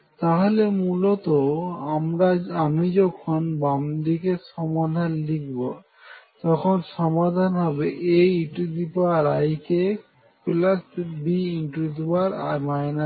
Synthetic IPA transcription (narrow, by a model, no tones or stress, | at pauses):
t̪aɦolemulɔt̪oamɾaamid͡ʑɔkʰɔnbamd̪ikeʃɔmad̪ʱanlik̚ʰbo | t̪ɔkʰonʃɔmad̪ʱanɦɔbeʔejiʈud̪ipoaɾajke | plasbiinʈɾid͡ʑuaɾamajna